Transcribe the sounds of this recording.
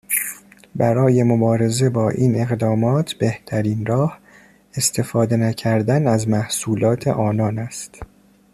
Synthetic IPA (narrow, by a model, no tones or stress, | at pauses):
bæɾɒːje̞mobɒːɾe̞ze̞bɒːʔiːne̞ɣd̪ɒːmɒːt̪ʰb̥e̞ht̪ʰæɾiːnɾɒːh | e̞st̪ʰe̞fɒːd̪e̞næcʰæɾd̪ænæzmæhsuːlɒːt̪ʰe̞̰ʔɒːnɒːnæst̪